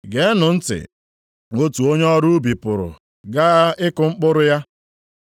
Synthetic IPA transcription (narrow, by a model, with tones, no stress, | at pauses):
ɡe˨˦nʊ˨n̩˦tɪ̰˨ | ŋo˦tu˨o˦ɲe˦ɔ˦ɾu˦bi˨pʊ˨ɾʊ̰˨ | ɡa˦ɪ˦kʊ˨ŋ͡m̩˦k͡pʊ˦ɾʊ˦ja˦